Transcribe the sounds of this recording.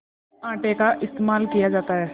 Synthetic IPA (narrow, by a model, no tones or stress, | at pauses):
ãːʈekaʔɪst̪eːmaːlkijad͡ʒaːt̪aɦɛː